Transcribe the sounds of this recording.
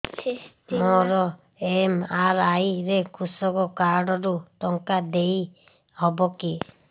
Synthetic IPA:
mɔɾɔ | emaɾajɾekusɔɡɔkaɾɖɔɾut̪ɔŋkad̪ej | hɔbɔki

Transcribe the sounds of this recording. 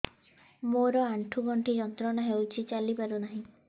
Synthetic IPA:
moɾɔaɳʈʰuɡʱɔɳʈid͡ʒɔnt̪ɾɔnaɦewt͡ʃʰit͡ʃalipaɾunaɦĩ

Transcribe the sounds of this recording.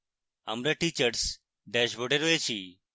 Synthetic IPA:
ə̰mɾeʈit͡ʃəɾs | ɖɛʃboɖeɾɔet͡ʃʰiː

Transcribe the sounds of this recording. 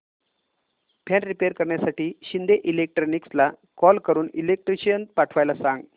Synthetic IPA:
pʰɛnɾipeɾkəɾɳjasaʈiːɕind̪eʔilek̚ʈɾonikslakɔlkəɾuːnilek̚ʈɾiɕijənpaʈʰʋajlasãŋɡ

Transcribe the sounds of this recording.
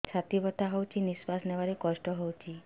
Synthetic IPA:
t͡ʃʰat̪ibɔt̪aɦɔwt͡ʃʰinisʋasnɛʋaɾekɔʃʈɔɦɔwt͡ʃʰi

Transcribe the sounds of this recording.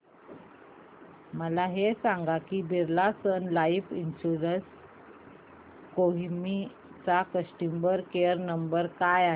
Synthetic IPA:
məlaɦesaŋɡakiːbiɾlasənlaifinɕuɾəs | koɦmi | t͡sakəsʈimbəɾkeəɾnəmbəɾkajaɦe

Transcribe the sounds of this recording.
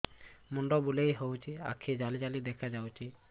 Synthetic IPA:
muɳɖɔbulejɦowt͡ʃʰia̰kʰid͡ʒalid͡ʒalid̪ɛkʰad͡ʒawt͡ʃʰi

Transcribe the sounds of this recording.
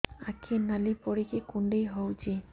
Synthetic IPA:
a̰kʰinalipɔɽikʰekuɳɖejɦowd͡ʒi

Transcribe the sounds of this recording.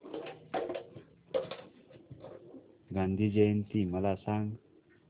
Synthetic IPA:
ɡand̪ʱid͡ʒent̪imalasaŋ

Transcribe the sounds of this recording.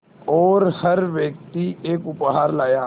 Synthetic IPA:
ɔːɾhɐɾʋjək̚t̪ieːkʊpɦaːɾlaːjaː

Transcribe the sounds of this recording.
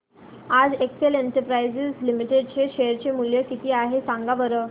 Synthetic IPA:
ad͡zekseleɳʈəɾpɾajzəslimiʈeɖt͡ɕeɕejəɾt͡ɕemuljəkit̪iːaɦesaŋɡaʋəɾə

